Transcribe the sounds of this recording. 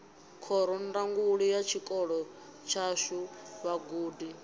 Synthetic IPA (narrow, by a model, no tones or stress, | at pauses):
kʰɔɾɔndaŋɡuɺijat͡ʃʰikʼɔɺɔ | t͡ʃʰaʃuβaɡuːdi